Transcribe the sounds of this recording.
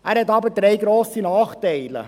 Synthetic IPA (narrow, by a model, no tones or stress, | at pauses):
ʔæːɾhɛtɑbəd̥̪ɾejɡɾoːsinɑːχtɛɪlə̰